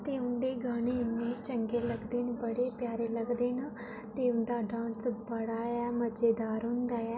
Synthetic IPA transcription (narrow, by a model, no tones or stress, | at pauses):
t̪eːʊnd̪eːɡaːɽ̃eːɪnːeːt͡ʃəŋɡeːləɡd̪eːnbəɽeːpjaːɾeːləɡd̪eːna | t̪eːʊ̃nd̪aːɖãːnsbəɽaːɛːməd͡ʒeːd̪aːɾɦʊ̃nd̪aːɛː